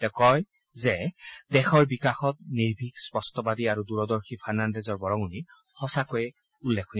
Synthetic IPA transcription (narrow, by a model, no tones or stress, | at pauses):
tɛkɔj | zɛdɛxɔɹbikaxɔt̚niɹbʱikspɔstɔbadiaɹuduɹɔdɔɹxʰipʰaɹnandɛzɔɹbɔɹɔŋuni | hɔsakojɛ | ulːekʰːoni